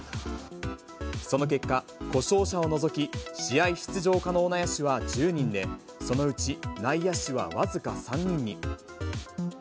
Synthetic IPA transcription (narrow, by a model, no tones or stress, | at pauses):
so̞no̞ke̞kːa | ko̞ɕo̞ːɕao̞no̞zo̞kʲiɕijaiɕi̥t͡sɨʑo̞ːkano̞ːnajaɕiβad͡ʑɨːɲ̟ĩnd̪e̞ | so̞no̞ɯ̟t͡ɕinaijaɕiβa̰βazɨkasãɲ̟ːĩɲ̟ːi